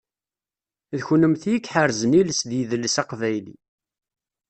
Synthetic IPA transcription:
ðçunəmθjikːħəɾzəniləsðjiðəlːəsɑqvæjlḭ

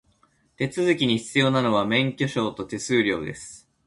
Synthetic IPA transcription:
t̪e̞t͡sɨzɨkʲiɲ̟içi̥t͡sɨjo̞ːnano̞β̞amẽ̞ŋkʲo̞ɕo̞ːt̪o̞t̪e̞sɨːɾʲo̞̰ːd̪e̞̰sɨ̥

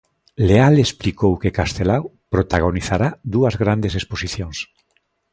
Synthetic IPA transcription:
lealesplikowkekast̪elaw | pɾot̪aɣ̞oniθaɾaðuazɣɾand̪esesposiθjõŋs

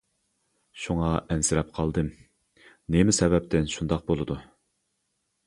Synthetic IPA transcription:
ʃuŋɑɛnsɪɾɛp̚qʰɑlˠd̪ɨm | nemɪsɛbɛp̚t̪ʰɪnʃund̪ɑq̚bolˠɨd̪u

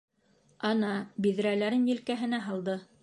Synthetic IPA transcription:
ɑnɑbið̆ɾælæɾɘnjɘ̆lkæɦɘ̆næɦɑlˠd̪ɤ

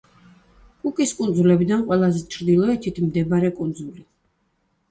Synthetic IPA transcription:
kʼukʼiskʼund̪zulɛbid̪anqʼwɛlˠazɛt͡ʃʰɾd̪ilˠɔɛt̪ʰit̪ʰimd̪ɛbaɾɛkʼund̪zuli

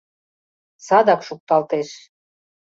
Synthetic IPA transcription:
sɑd̪ɑkʃuk̚t̪ɑlt̪eʃ

